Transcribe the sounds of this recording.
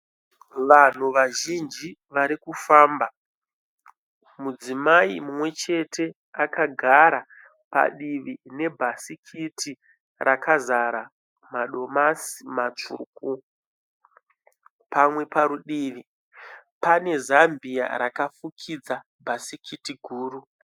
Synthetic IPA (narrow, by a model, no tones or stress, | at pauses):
ʋan̤uʋaʒind͡ʒiʋaɾikufaːmba | mud͡zimaimumwe̞t͡ʃe̞tʰe̞ | akaɡʱaɾa | pa̰ɗiʋine̞bʱasikʰitʰi | rʔakʰazaɾa | maɗo̞masi̥mat͡ʂṵku | pamwe̞paɾuɗiːʋi | pane̞zambija̰ɾakafukʰid͡za | bʱasikʰitiɡʱuːru